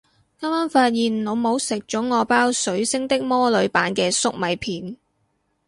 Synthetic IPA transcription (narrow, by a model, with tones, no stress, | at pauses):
kɐ˥maː˥nfaː˧t̚jiː˨n˨no˨˧wmo˨˧wsɪ˨k̚t͡ʃɔː˨˥ŋɔː˨˧paː˥wsɵ˨˥ɥsɪ˥ŋt̪ɪ˥k̚mɔː˥lɵ˨˧ɥpaː˨˥nkɛː˧sʊ˥k̚mɐ˨˧jpʰiː˨˥n